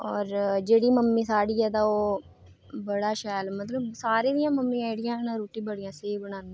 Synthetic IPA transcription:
ɔːɾd͡ʒeːɽiːməmːiːsaːɽiːɛːt̪aːoː | bəɽaːʃɛːlmət̪ləbsaːɾeːd̪ɪjãːməmːĩːaːɪɽɪjãːnãːɾoːʈiːbəɽɪjãːseibəñãːnĩ

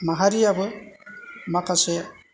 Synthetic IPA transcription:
maɦaɾiabe | makasɛ

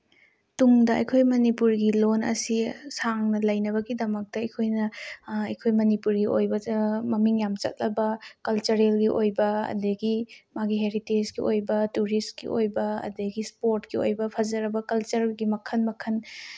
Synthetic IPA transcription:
tuŋdɐɐ̰jkʰojmɐnipuɾɡilonɐ̰sisaŋnɐlɐjnɐβɐɡidɐmɐk̚tɐɐjkʰojnɐɐjkʰojmɐnipuɾɡiʔojbɐmɐmiŋjamt͡ʃɐ̰t̚lɐbɐkɐlt͡ʃɐɾelɡiʔojbɐɐ̰dɐɡimaɡiɦeɾited͡ʒɡiʔojbɐtuɾistɡḭʔo̰jbɐɐ̰dɐɡispoɾtɡio̰jbɐpʰɐzɐɾɐbɐkɐlt͡ʃɐɾɡimɐkʰɐnmɐkʰɐn

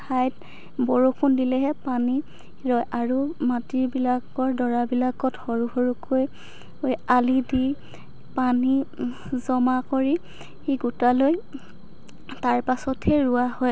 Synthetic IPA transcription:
ajt̚ | bɔɹokʰundilɛɦɛpani | ɹɔjʔaɹumatiɹbilakɔɹdɔɹabilakɔtxɔɹuxoɹukʰoj | ojalidi | pani | zɔmakoɹi | xiɡutaloj | taɹpasɔtʰɛɹuahɔj

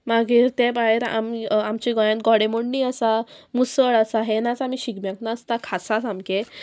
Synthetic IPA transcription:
maɡiːɾt̪ebajeɾa̰miamt͡ɕiɡɔjãnt̪̚ɡɔɽemoɳniːəsamusəɭasaɦenãt͡samiɕiɡmjaknaəst̪akʰasasamke

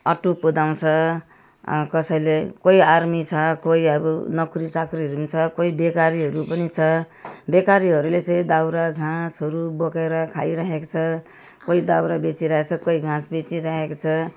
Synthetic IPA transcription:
ʌʈupud̪aw̃t͡sʰʌ̰ | kʌsʌjlekoiarmit͡sʰʌkoiʌbʌnʌkɾisakɾiɾumit͡sʰʌkoibekaɾiɦʌɾupʌnit͡sʰʌ | bekaɾiɦʌɾulet͡sʌ̃j̃d̪awɾaɡʱãsʌɾubʌkeɾʌkʰajɾaɦeko̥t͡sʰʌ | koid̪awɾabet͡siɾaɦet͡sʰʌkoiɡʱãsbet͡siɾaɦekot͡sʰʌ

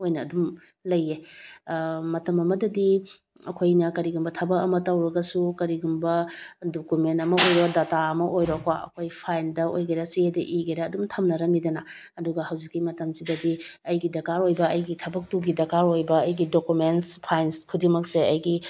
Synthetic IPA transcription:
ojnɐːdum | lɐjːe | mɐtɐmɐmɐdɐdi | ɐ̰kʰojnɐkɐɾiɡumbɐtʰɐbɐkɐmɐtɐwɾɐɡɐsukɐɾiɡumbɐdokumentɐmɐojɾodataɐmɐʔojɾokwaʔɐ̰kʰojpʰajndɐʔo̰jɡɐjɾɐsiedɐ̰ʔiɡɐjɾɐːdumtʰɐmnɐɾɐmidɐnɐ | ɐduɡɐhɐwzikːimɐtɐmsidɐdiɐjɡidɐkaɾojbɐɐjɡitʰɐbɐk̚tuɡidɐkaɾojbɐɐjɡidokumenspʰajnskʰudiŋmɐk̚seɐjɡi

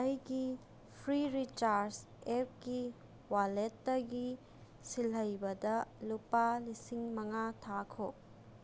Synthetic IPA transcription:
ajɡi | pʰɾiɾit͡ʃaɾs | ep̚ɡi | waletːɐɡi | silɦɐjbɐdɐlupalisiŋmɐŋatʰakʰo

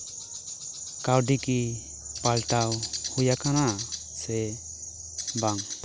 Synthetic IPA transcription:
kawɖiki | palʈawhujakana | sɛ | baŋ

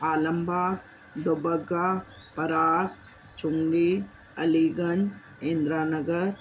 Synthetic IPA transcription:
aːlɐmbʱaː | d̪obɐɡaː | pɐɾaːɾ | t͡ʃuŋɡi | ɐliːɡɐn | eːnd̪ɾaːnɐɡɐɾ

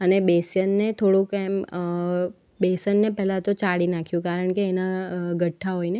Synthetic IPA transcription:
ənebesjənːet̪ʰoɽũkem | besənːepɛɦlat̪ot͡ʃaɽinakʰjũkaɾəɳkeːnaɡʱəʈʰːaɦojne

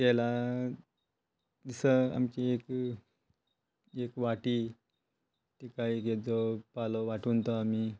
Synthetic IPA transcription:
kɛla | d̪isəa̰mkiek | ekʋaʈi | t̪ekaieked͡zopaloʋaʈuːnt̪ɔami

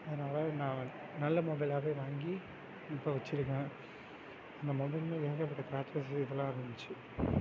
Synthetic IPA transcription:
ɐðɐnaːlɐnãː | nɐlːɐmɔbɪlaːɣeːʋaːŋɡi | ɪpːoʋɐt͡ʃːɪɾɯkːɐ̃ | ɐnd̪ɐmɔbɪlmɐ̃eːɡɐpːɐʈːɐkɾaːt͡ʃɐs̬ɪʋːɐɭõːɐɪɾɯnd̪ɯt͡ʃːɯ

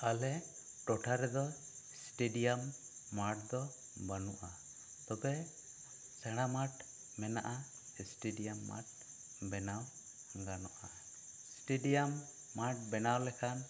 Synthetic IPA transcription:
alɛ | ʈɔʈʰaɾɛd̪ɔ | sʈeɖijamː | aʈ̚d̪ɔ | banuʔa | t̪ɔbɛ | sɛɽ̃amaʈ | mɛna̰ʔa | sʈeɖijamːa̰ʈ̚ | bɛnaw | ŋɡanɔʔa | sʈeɖijamː | aʈ̚bɛnawlɛkʰan

